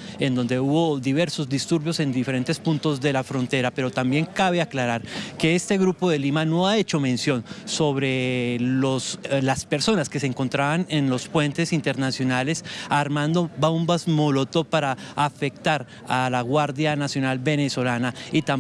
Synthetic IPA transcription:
end̪o̞nd̪e̞uβo̞ðiβ̞e̞ɾso̞zd̪ist̪uɾβjo̞se̞nd̪ife̞ɾe̞nt̪e̞spunt̪o̞zd̪e̞lafɾont̪e̞ɾape̞ɾo̞t̪ambje̞ŋkaβe̞aklaɾaɾke̞est̪eɣɾupo̞ðe̞limano̞ae̞t͡ʃo̞mẽ̞nsjo̞nso̞βɾe̞loslaspe̞ɾso̞naskeseːŋko̞nt̪ɾaβane̞nlo̞spwe̞nt̪e̞sint̪eɾnasjo̞nale̞saɾmand̪o̞baumbazmolo̞t̪o̞paɾaːfe̞k̚t̪aɾ | alaɣwaɾðjanasjo̞nalbe̞ne̞so̞lanait̪a

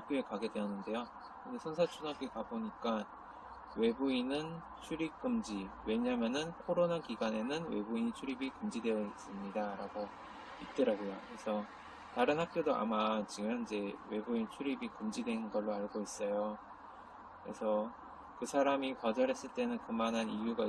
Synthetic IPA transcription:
hak̚k͈joekaɡe̞dwe̞ʌnːɯnde̞jo | kɯndesʰonsʰat͡ɕʰunɦap̚k͈ekaboɲik͈a | we̞buinɯn | t͡ɕʰuɾip̚k͈ɯmd͡ʑiwe̞ɲamjʌnɯnkʰoɾonakiɡwane̞nɯnwe̞̰buiɲit͡ɕʰuɾibikɯmd͡ʑidwe̞jʌis͈ɯmɲidaɾaɡo | it̚t͈ɯɾaɡojokɯɾe̞sʰʌ | taɾɯnɦak̚k͈jodoa̰mat͡ɕiɡɯmid͡ʑe̞we̞buint͡ɕʰuɾibikɯmd͡ʑidwe̞nɡʌɭːoaɭɡois͈ʌjo | kɯɾe̞sʰʌ | kɯsʰaɾamipʌd͡ʑʌɾe̞s͈ɯɭt͈e̞nɯnkɯmanɦanijuɡa

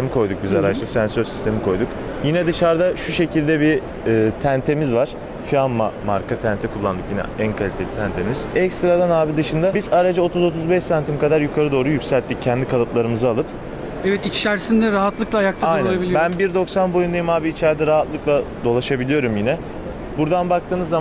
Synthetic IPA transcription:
t̪emikʰo̞jd̪uk̚bizaɾaʃlˠasænsø̞ɾsi̥st̪ʰe̞mikʰo̞jd̪uk | jinɛd̪ɯʃaɾd̪aʃuʃe̞cʰilʲd̪ɛbiː | t̪ʰænt̪ʰe̞mizvaɾ̥ | fianmamaɾkat̪ʰænt̪ʰɛkʰulˠːand̪ɯkjinɛ̰ænkʰalʲit̪ʰe̞lʲit̪ʰænt̪ʰe̞miz̥ɛcst̪ɾad̪anaːbid̪ɯʃɯnd̪abizaɾad͡ʒao̞t̪ʰuzo̞t̪ʰuzbɛʃsant̪ʰimkʰad̪aɾjukʰaɾɯd̪o̞ːɾujycsælʲt̪ːic̚cʰːɛnd̪ikʰalˠɯplˠaɾɯmɯzɯalˠɯp | ɛvɛt̪it͡ʃt͡ʃæɾsind̪ɛɾaɦat̪lˠɯklˠajak̚t̪ʰaajnɾoælˠabilʲibænbiɾd̪o̞ksanbo̞jund̪ajumaːbiːt͡ʃʰæɾd̪ɛɾaɦat̪lˠɯklˠad̪o̞lˠaʃabilʲijo̞ɾumjinɛ | buɾd̪anbak̚t̪ʰɯːnɯzːa

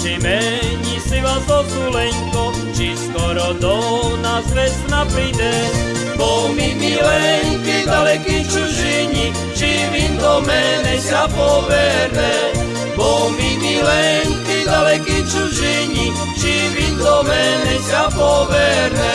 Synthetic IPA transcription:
t͡ʃimɛɲisiʋazɔt̪ulɛɲkɔ | t͡ʃiskɔɾɔd̪ɔnazʋɛsnapɾid̪ɛ | bɔmimilɛɲkid̪alɛkit͡ʃuʒiɲi | t͡ʃiʋind̪ɔmɛnɛsapɔʋɛɾnɛ | bɔmimilɛɲkid̪alɛkit͡ʃuʒiɲi | t͡ʃiʋid̪ɔmɛnɛsapɔʋɛɾnɛ

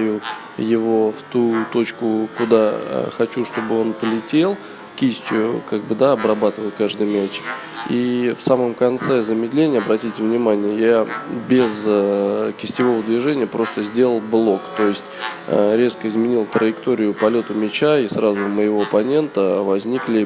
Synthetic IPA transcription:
jʊ | jɪvo̞ft̪ut̪o̞t͡ɕkʊkʊd̪a̰xɐt͡ɕuʂt̪o̞bɨo̞npəlʲɪtʲe̞lˠ | kʲisʲtʲjʊkaɡ̚bɨd̪aɐbrɐbat̪ɨvəlˠkaʐd̪ɨjmʲæt͡ɕ | ifsaməmkɐnt̪sɛzəmʲɪd̪lʲenʲɪjəɐbɾɐtʲitʲɪvnʲɪmanʲɪjəjabʲɪz | kʲɪsʲtʲɪvo̞vəd̪vʲɪʐɛnʲɪjəpɾo̞st̪əzʲdʲe̞lˠəlˠblˠo̞kt̪o̞jɪsʲtʲɾʲe̞skəɪzmʲɪnʲilˠt̪ɾəjɪkt̪o̞ɾʲɪjʊpɐlʲo̞t̪ʊmʲɪt͡ɕaisrazʊməjɪvo̞ɐpɐnʲe̞nt̪əvɐzʲnʲiklʲɪ

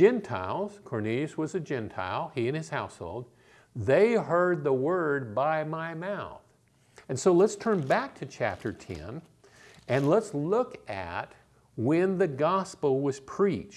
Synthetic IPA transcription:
d͡ʒɛ̃ntʰa̰ɪlˠz̥kʰɔɹnilˠiɨswʌzɨd͡ʒɛ̃ntʰa̰ɪlˠiɨ̃nɨz̥haʊsho̰ʊlˠd̪̚ | ðeɪɦɜ˞d̪̚ðəwɜ˞d̚baɪmaɪmaʊθ | ɨ̃nsoʊlətstʰɜ̃˞nbæk̚tʰɨt͡ʃʰæ̰p̚tʰə˞tʰɛ̰̃n | ɨ̃nlətslʊkɨ̰t̚ | wɨ̃nðɨɡɑspl̩ˠwʌz̥pʰɹ̥it͡ʃ

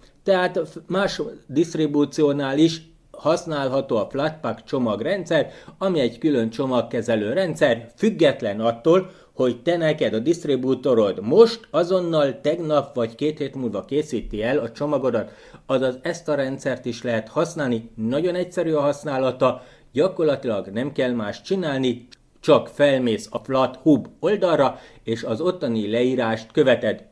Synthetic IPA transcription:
t̪ɛɦaːt̪maːʃd̪ist̪ribuːt̪sioːnaːliʃ | hɒsnaːlɦɒt̪oːɒflat̪pakt͡ʃo̞mɒɡrɛnt̪sɛrɒmiɛɟkylø̞nt͡ʃo̞mɒkːɛzɛløːɾɛnt̪sɛrfyɡːɛt̪lɛnɒt̪ːoːl | ho̞ct̪ɛnɛkɛd̪ɒd̪ist̪ribuːt̪o̞ɾo̞d̪mo̞ʃt̪ɒzo̞nːɒlt̪ɛɡnɒpʋɒɟkeːt̪heːt̪muːlvɒkeːsiːt̪iɛlɒt͡ʃo̞mɒɡo̞d̪ɒt̪ | ɒzɒzɛst̪ɒɾɛnt̪sɛrt̪iʃlɛɦɛt̪hɒsnaːlninɒɟo̞nɛcsɛɾyːɒɦɒsnaːlɒt̪ɒ | ɟɒko̞rlɒt̪ilɒɡnɛmkɛlmaːʃtt͡ʃinaːlni | t͡ʃɒkfɛlmeːsɒflɒt̪hubo̞ld̪ɒrːɒ | eːʃɒzo̞t̪ːonilɛiːɾaːʃt̪kø̞vɛt̪ɛd̪

